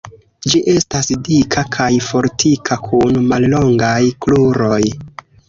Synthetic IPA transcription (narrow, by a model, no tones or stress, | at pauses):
d͡ʒiʔe̞stasdikʰakʰajfo̞ɾtʰikʰakʰunmallo̞ŋɡajkluɾo̞j